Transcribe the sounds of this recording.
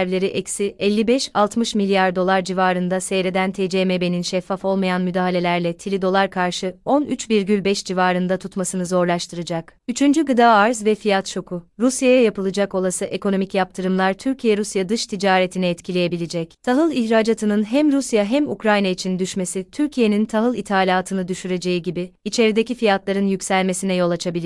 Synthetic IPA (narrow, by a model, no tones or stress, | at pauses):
ɾvlʲe̞ɾiʔɛcsiʔɛlʲːibɛʃalˠt̪mɯʃmilʲjaɾd̪o̞lˠaɾd͡ʒivaːɾɯnd̪asejɾed̪ænt̪ʰed͡ʒemebe̞ninʃɛfːafo̞lˠmajanmyd̪aːɦalʲe̞lʲæɾlʲɛt̪ʰilʲid̪o̞lˠaɾkʰaɾʃɯo̞nʔyt͡ʃbiɾɟylʲbɛʃd͡ʒivaːɾɯnd̪at̪ʰut̪masɯnɯzo̞ɾlˠaʃt̪ʰɯɾɯd͡ʒakyt͡ʃʰynd͡ʒyɡɯd̪aːaɾzvɛfijat̪t͡ʃʰo̞kʰʊɾusjajajapɯlˠɯd͡ʒako̞lˠasɯʔe̞ko̞no̞micjap̚t̪ʰɯɾɯmlˠaɾt̪ʰyɾcʰijɛɾusjad̪ɯʃt̪ʰid͡ʒaːɾet̪ʰinɛːt̪cʰilʲejebilʲid͡ʒɛct̪ʰaɦɯlˠiçɾaːd͡ʒat̪ʰɯnɯnɦæmɾusjaɦæmṵkɾajnait͡ʃʰind̪yʃme̞sit̪ʰyɾcʰije̞nint̪ʰaɦɯlˠit̪ʰaːlʲaːt̪ʰɯnɯd̪yʃyɾe̞d͡ʒe̞jiɟibiːt͡ʃʰe̞ɾid̪ecifijat̪lˠaɾɯnjycʲsælʲme̞sinɛjo̞lˠat͡ʃʰabilʲi